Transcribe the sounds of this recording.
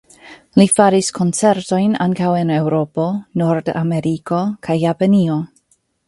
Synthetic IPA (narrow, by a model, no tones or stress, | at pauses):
lifaɾiskʰont͡seɾto̞jna̰ŋkawenewɾo̞po̞noɾda̰meɾiko̞kʰajːapanio